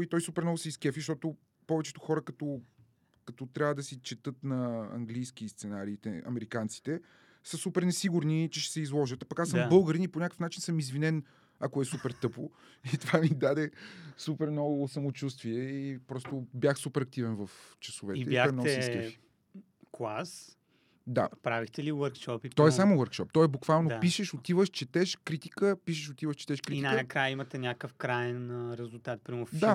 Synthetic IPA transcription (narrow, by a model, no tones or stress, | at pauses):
it̪ɔjsupɛɾnɔɡʊsiskɛfiʃt̪ɔt̪ʊ | pɔvɛt͡ʃɛ̥t̪ʊ̥xɔɾəkɐt̪ɔ | kɐt̪ɔt̪ɾʲavəd̪ɐsit͡ʃɛt̪ɤt̪nɐɐ̰ŋɡlijsk̟ist̪sɛnaɾiːt̪ɛ̰ɐ̰mɛɾikant̪si̥t̪ɛ | səsupɛɾnɛsiɡuɾnit͡ʃɛʃɛ̥sɛizlˠɔʒət̪apɐkasəmbɤlˠɡəɾinipoɲʲakə̥fnat͡ʃinsɤmizvinɛn | ɐkoɛsupɛɾt̪ɤpo | it̪ovamid̪ad̪ɛsupɛɾmnɔɡʊsɐmot͡ʃus̬t̪viɛipɾɔst̪ʊbjaxsupɛɾɐk̚t̪ivɛnvəft͡ʃɐsovɛiɛibʲaɔɾɛnɔɛssifi̥ | klˠas | d̪a̰pɾavixt̪ɛliwəɾkʃɔpipɾɔɛsamowəɾkʃɔp̚t̪ɔɛbukvalˠnopiʃɛʃot̪ivəʃt͡ʃɛt̪ɛʃkɾit̪i̥kəpiʃɛʃot̪ivəʃt͡ʃɛ̥t̪ɛʃkɾiiininɐkɾajəimɐt̪ɛnʲakəfkɾajɛnɾɛzulˠt̪at̪̚pɾimofd̪a